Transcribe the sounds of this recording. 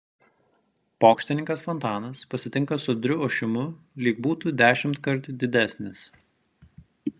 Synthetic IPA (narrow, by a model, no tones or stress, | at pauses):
poːkʃʲt̪ʲɪnʲɪŋkɐsfɔnt̪ɑːnɐspɐsʲɪt̪ʲɪŋkɐsʊd̪ʲɾʲʊoːʃʲɪmʊ | lʲiːk̚buːt̪ud̪ʲæːʃʲɪmt̪kɐɾt̪ʲd̪ʲɪd̪ʲæˑsʲnʲɪs